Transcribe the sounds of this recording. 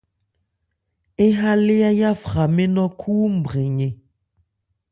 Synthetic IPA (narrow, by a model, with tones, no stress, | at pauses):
e˦ɦa˦le˦a˦ja˦fɣa˨me˦nɔ̃˦kʰuː˦m̩˨bɣe˨ɲe˨